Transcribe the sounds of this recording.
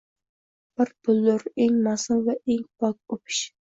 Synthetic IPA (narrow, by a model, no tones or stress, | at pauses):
b̥ɪɾpʰʊlːʊɾeŋmɑsɨŋvɛʔeŋpɑk̚opʰɪ̥ʃ